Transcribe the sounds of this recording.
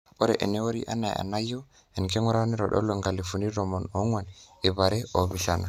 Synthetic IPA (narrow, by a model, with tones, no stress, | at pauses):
o˦ɾḛ˨ʔḛ˨ne˦wo˦ɾḭ˦ʔa̰˦na˨ja̰˨na˦jo˦ | ɛ˨nke˦ŋɔ˦ɾa˦ni˦ɾɔ̰˨ɗɔ̰˦lo˨ŋɡa˨li˨fu˨ni˦ɾo˨mo˨no˦ŋwa˨ni˨ba˨ɾe˦o˨bi˨ʃa˦na˨